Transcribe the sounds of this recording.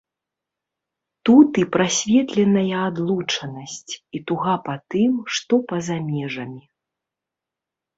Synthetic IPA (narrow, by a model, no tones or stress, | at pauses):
t̪ut̪ipɾasʲvʲɛt̪lʲɛnɐjɐad̪lˠut͡ʂɐnɐsʲt͡sʲit̪uɣapat̪ɨmʂt̪ɔpɐzamʲɛʐɐmʲi